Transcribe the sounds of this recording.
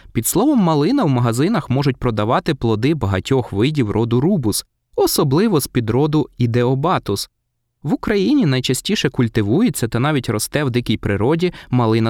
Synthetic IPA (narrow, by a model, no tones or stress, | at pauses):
pʲid̪slˠɔʋɔmːɐlˠɪnɐwmɐɦɐzɪnɐxmɔʒʊt̚ʲpɾɔd̪ɐʋɑt̪ɪplˠɔd̪ɪbɐɦɐtʲɔxʋɪdʲiwrʔɔd̪ʊɾubʊs | ɔsɔblˠɪʋɔspʲid̪ɾɔd̪ʊid̪ɛɔbɑt̪ʊs | ʋʊkɾɐjinʲin̪ɐjt͡ʃɐsʲtʲiʃɛkʊlʲt̪ɪʋujet͡sʲːɐt̪ɐnɑʋʲitʲɾɔst̪ɛwd̪ɪkijpɾɪɾɔdʲimɐlˠɪnɐ